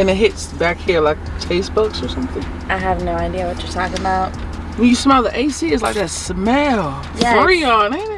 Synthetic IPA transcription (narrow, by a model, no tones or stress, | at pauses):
ɨ̃nɨt̚ɦɪtsb̥ækhiɹlaɪk̚tʰeɪsb̥ʌksə˞sʌ̃mθɪ̃ŋ | ʔaɪɦævnoʊaɪdiɨwʌt͡ʃə˞tʰɑkɨ̃baʊt̚ | wɨ̃njɨsmɛlˠðiʔeɪsiɨzlaɪk̚ðɨtsmɛlˠ | jɔɹiənɪ